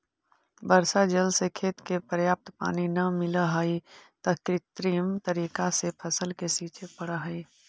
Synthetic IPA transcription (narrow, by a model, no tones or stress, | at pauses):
bəɾsad͡ʒəlsekʰeːt̪kepəɾjaːp̚t̪pa̰ːninɐmɪləɦəit̪əɦkɾɪt̪ɾiːmt̪əɾiːkasepʰəsəlkesiːt͡ʃʰepəɽəɦəi